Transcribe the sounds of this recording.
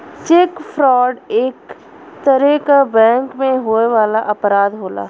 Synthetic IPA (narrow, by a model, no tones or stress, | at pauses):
t͡ʃekfʰɾɔːɖeːk | t̪əɾekabɛ̃ːŋkmẽɦoːeʋaːlaʔɐpɾaːd̪ɦoːla̰ː